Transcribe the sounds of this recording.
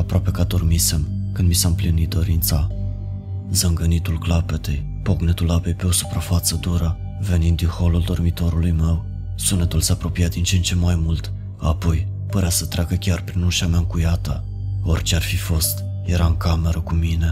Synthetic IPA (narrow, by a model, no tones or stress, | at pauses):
apɾoape̞kad̪o̞rmise̞mkɨnd̪misaɨmplinit̪̚d̪o̞ɾint̪sa | zəŋɡənit̪ulklape̞t̪e̞j | po̞ɡnet̪ulapejpe̞o̞su̥pɾafat̪səd̪uɾə | ve̞nind̪ːinho̞luld̪o̞rmit̪o̞ɾulujme̞w | sunet̪ulseapɾo̞piat̪̚d̪int͡ʃeent͡ʃe̞mːajmult̪ | apo̞j | pəɾeasət̪ɾeakəkʲarpɾinuʃamʲaɨŋkujat̪ə | o̞̰rʲt͡ʃearfifo̞st̪ | je̞ɾaɨŋkame̞ɾəkumine̞